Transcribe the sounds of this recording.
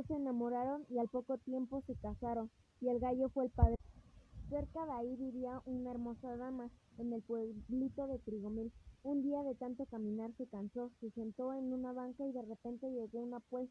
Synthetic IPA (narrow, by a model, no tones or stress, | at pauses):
oseːnamoɾaɾonialpokot̪je̞mpose̞kasaɾon | ielɣaʝofweːlpaðɾeseɾkaðeaiβiβiaʔunaeɾmo̞saðamaene̞lpweβlit̪oðe̞t̪ɾiɣomilund̪iaðe̞t̪ant̪okamĩnaɾse̞kansosese̞nt̪oenunaβaŋkaiðerepe̞nt̪e̞ʝeɣounapwe̞s